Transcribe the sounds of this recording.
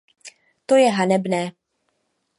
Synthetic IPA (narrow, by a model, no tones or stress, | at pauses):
t̪o̞jɛɦanɛbnɛː